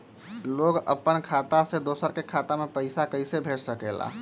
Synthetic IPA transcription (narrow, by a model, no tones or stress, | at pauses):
loːɡə̰pːənkʰaːt̪ased̪oːsəɾkekʰaːt̪amẽpəɪsakəɪsebʱeːʈsəkela̰